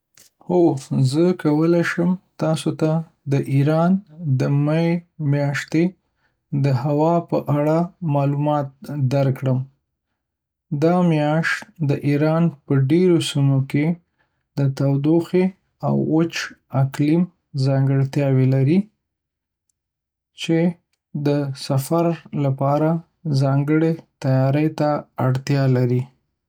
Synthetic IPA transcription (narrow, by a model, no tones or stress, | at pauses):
hozəkawəlaʃəmt̪ɑsot̪a | d̪əʔiɾɑnd̪əmajmjɑʃt̪e | d̪əhawɑpəʔaɽamɑlumɑt̪̚d̪aɾkɽəm | d̪ɑmjɑʃt̪d̪əʔiɾɑnpəɖeɾosimoke | d̪ət̪awd̪oxe | a̰wət͡ʃaklim | zɑŋɡəɽt̪jɑwelaɾi | t͡ʃe | d̪əsafaɾlapɑɾa | zɑŋɡəɽet̪ajɑɾəjt̪aaɽt̪jɑlaɾi